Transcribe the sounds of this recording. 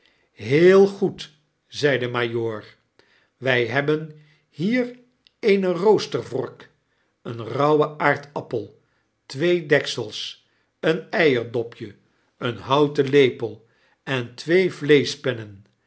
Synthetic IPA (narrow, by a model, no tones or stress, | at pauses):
ɦɪːlˠχut | zɛjdəmaːjoːɹ | ʋɛjɦɛbən | hiːr | ejnərowstəɹvɔ̰ɹk | ənrɑwəʔaːɹtɑpəlˠ | tʋejdɛksəlˠs | ənɛjəɹdɔpʰjə | ənɦɑwtəlejpəlˠ | ɛntʋejvlejspɛnən